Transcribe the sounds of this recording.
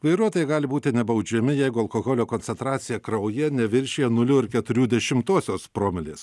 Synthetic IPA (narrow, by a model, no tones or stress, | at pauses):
ʋɐɪɾuɔt̪oːjɛɡɑːlʲɪbuːt̪ʲɪnʲɛbɐʊd͡ʒʲɛmʲɪjɛɪɡʊɐlˠkoːɣoːlʲoːkoːnʲsʲɛnt̪ɾɑːt̪sʲɪjɛkɾɐʊjɛnʲɛʋʲɪɾʲʃʲeɛnʊlʲʊɪɾkʲɛt̪ʊɾʲuːd̪ʲɛʃʲɪmt̪oːsʲoːspɾoːmʲɪlʲeːs